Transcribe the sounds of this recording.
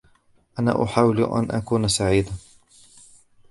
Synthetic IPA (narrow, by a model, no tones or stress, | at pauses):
ʔana̰ːʔʊħaːwɪlʔa̰nʔakuːnsaʕiːd̪a